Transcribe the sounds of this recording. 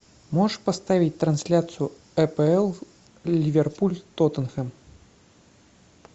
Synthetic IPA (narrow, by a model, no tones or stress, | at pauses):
mɔʂpast̪avʲit͡sʲt̪ɾansʲlʲat̪sɨju | ɛpɛɛlˠ | lʲivʲɛrpulʲt̪ɔt̪ənxɛm